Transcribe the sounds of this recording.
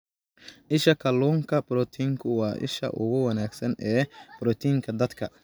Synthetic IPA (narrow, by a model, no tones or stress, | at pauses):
ʔɪʃɐkʰɐlːɔːŋkʰɐbɾɔt̪ʰiːŋkʰʊwaːʔɪ̰ʃɐ̰ʔʊɣʊwɐnaːɡsɐnɛːb̥ɾɔt̪ʰiːŋkʰɐd̪ɐd̪kʰɐ